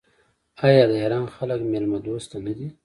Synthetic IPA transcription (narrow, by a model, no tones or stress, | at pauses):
ɑːjɑːd̪əɦeɾɑːnxaləkmelmad̪oːst̪anad̪i